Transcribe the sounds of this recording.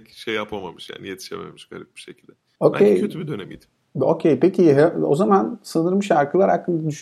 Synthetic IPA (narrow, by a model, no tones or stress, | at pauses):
ʃejːapʰama̰mɯʃja̰ːnijet̪ʰi̥ʃḛmḛmiʃbeɾɛk̚bi̥ʃecʰilʲd̪ɛ | okʰʲejcʰøt̪ybid̪ønɛ̰mḭːd̪im | o̞cʰejpecʰiɦɛo̞̰zamansɯnɯɾmɯʃaɾkɯlˠaɾhakːɯŋad̪yʃ